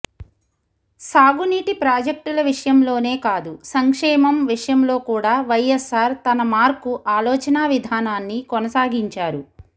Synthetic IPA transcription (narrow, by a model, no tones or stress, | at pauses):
saːɡuniːʈipɾaːd͡ʒɐk̚ʈulɐʋiʂɐjɐmlo̞ːne̞ːkaːd̪usɐŋkʂɛːmɐmʋiʂɐjɐmlo̞ːkuːɽaːʋɐjesaːɾt̪ɐnɐmaːɾkuʔaːlɔːt͡ʃɐnaːʋid̪ʱaːnaːnːikɔnɐsaːɡiɲt͡ʃaːɾu